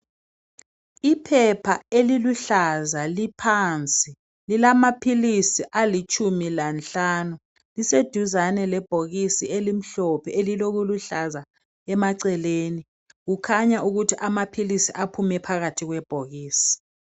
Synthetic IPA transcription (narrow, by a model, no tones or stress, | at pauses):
ipʰɛpʰaeliluɬazalipʰant͡sʼi | lilamapʰilisiʔalit͡ʃʰʼumilant͡ɬʼanu | lised̥ʱuzanɛlɛb̥ʱoɣisielim̩ɬɔpʰɛeliloɣ̬uluɬaza | ɛmaǀɛleːni | ɣukʰaɲaʔuɣutʰiʔamapʰilisiʔapʰumɛpʰaɣatʰiɣwɛb̥ʱoɣiːsi̥